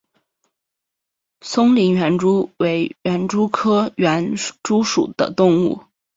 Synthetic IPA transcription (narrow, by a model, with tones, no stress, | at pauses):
sʊ˥ŋli˧˥ŋɥɛ˧˥nʈ͡ʂu˥we˧˥ɪɥɛ˧˥nʈ͡ʂu˥kʰɤ˥ɥɛ˧˥nʈ͡ʂu˥ʂṵ˨˩d̪̥ə̰˦t̪ʊ˥˧ŋṵ˥˩